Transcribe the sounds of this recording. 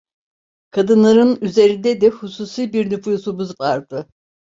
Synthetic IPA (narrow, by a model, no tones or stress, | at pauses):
kʰad̪ɯnlˠaɾɯnyze̞ɾind̪ɛd̪ɛhusuːsiːbiɾnyfujsubuzvaɾd̪ɯ